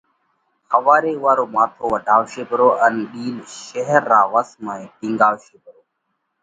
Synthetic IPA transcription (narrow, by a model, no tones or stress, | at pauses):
həʋaːɾeːʊʋaːɾoːmaːt̪ʰoːʋəɖʱaːʋʃeːbɾoːʔənɗiːlʃɛɦəɾːaːʋəsmaːĩːʈĩːŋɡaːʋʃeːbɾoː